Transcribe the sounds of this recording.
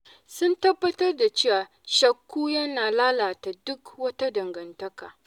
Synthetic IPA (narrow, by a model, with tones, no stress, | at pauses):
sʊ˦ntɐ˦bːɐ˦tɐ˦rda˨t͡ʃeː˦wa˨ | ʃɐ˨kːuː˦jɐ˦naː˨laː˦laː˨ta˨dʊ˦kwɐ˦ta˦dɐ˨ŋɡɐ˨ntɐ˦ka̰ː˨